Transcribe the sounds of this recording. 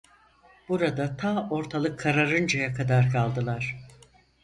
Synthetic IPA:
b̥uɾad̪at̪ʰaːo̞ɾt̪ʰalˠɯkʰːaɾaɾɯnd͡ʒajakʰad̪aɾkʰalˠd̪ɯlˠaɾ̥

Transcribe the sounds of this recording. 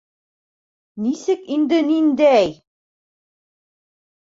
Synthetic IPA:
nisɘkind̪ɘnind̪æj

